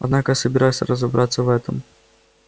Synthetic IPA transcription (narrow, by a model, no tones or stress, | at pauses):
ɐd̪nakəjasəbʲɪɾajʊsʲə̰ɾəzɐbɾʔat̪sːəvɛt̪əm